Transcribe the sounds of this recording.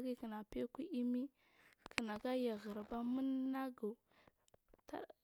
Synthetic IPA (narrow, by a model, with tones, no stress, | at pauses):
ɡi˦ki˨na˨pe˦ki˦i˦mi˦ | kə˨na˨ɡa˦ja˨ɣə˨ɾba˦mə˦nːa˦ɡa˨ | ta̰˦